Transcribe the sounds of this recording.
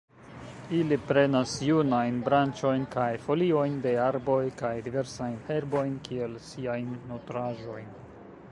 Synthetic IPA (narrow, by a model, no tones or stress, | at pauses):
ilipɾe̞nasjunajnbɾant͡ʃo̞jnkajfo̞lio̞jnde̞aɾbo̞jkajdive̞ɾsajnhe̞ɾbo̞jnkʰie̞lsiajnːotɾaʒo̞jn